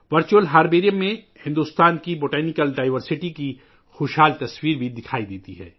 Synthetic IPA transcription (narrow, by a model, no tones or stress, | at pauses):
ʋɐɾt͡ʃuəlɦaːɾbeːɾijəmːẽ | hɪ̃nd̪uːst̪aːnkiboːʈɛːnɪkəlɖaːɪʋəɾsɪʈiki | xoːʃɦaːlt̪ɐswiːɾbʱid̪ɪkʰaːid̪eːt̪iɦɛ̰ː